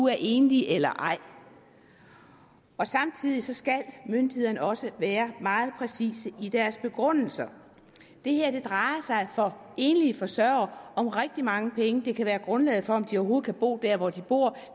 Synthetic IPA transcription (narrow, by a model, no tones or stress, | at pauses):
uæɐʔe̝ːnliʔelɐʔɑ̈ɪ̰ | ɒ̽sɑ̈mt͡sʰið̰ˠisɒ̽sɡ̥ælmønd̥ihe̝ðˠɐnəɒ̽səʋæːɐmɑ̈ːð̞̩ˠpʰʁɛsḭːsəʔid̥æɐsb̥e̝ɡ̥ʁɔn̰l̩sɐ | d̥e̝heɐ̰d̥e̝d̥ʁɑ̈ɪɐsɑ̈ɪfɒ̽ | e̝ːnəlifɒ̽sɶɐɐɒ̽mʁɛɡ̥̚d̥imɑ̈ŋəpʰeŋəd̥e̝kʰæʋæːɐɡ̥ʁɔ̽nlɛ̰ːð̩ˠfɒ̽ɒ̽md̥iɒʊɦo̝ːð̩ˠkʰæb̥o̝̰ːd̥æɐʋɒd̥ib̥o̝ɐ̰